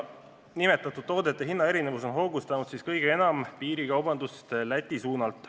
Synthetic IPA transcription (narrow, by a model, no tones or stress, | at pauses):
nime̞t̪ːˑɑt̪ːˑud̪̥̚t̪ːo̞ːd̪e̞t̪ːˑeɦinːɑe̞ɾinevuso̞nɦo̞ɡ̥ust̪ɑnud̪̥siskɤjɡee̞nɑmpiːɾikɑwbɑnd̪ust̪læt̪ʲːˑisuːnɑlt̪ˑ